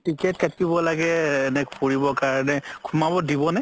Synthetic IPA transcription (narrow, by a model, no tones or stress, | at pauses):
tikɛt̚katibɔlaɡɛːnɛkpuɹibɔkaɹɔnɛkʰumabɔdibɔna